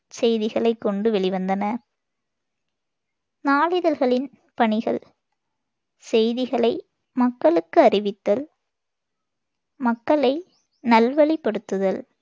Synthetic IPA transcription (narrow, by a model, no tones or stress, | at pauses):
sɛjðɪɣɐɭɐɪkːɔɳɖɯʋɛɭɪʋɐnd̪ɐnɐ | naːlɪðɐlɣɐɭɪn | pɐɳɪɣɐ̰ɭ | sɛjðɪɣɐɭɐɪ | mɐkːɐɭɯkːɯɐɾɪʋɪt̪ːɐl | mɐkːɐɭɐɪ | nɐlʋɐɭipːɐɽɯt̪ːɯðɐl